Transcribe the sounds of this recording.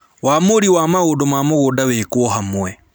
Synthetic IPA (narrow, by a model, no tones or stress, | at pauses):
waːmoɾiwamaɣodomaːmoɣodawekwɔɦamuwɛ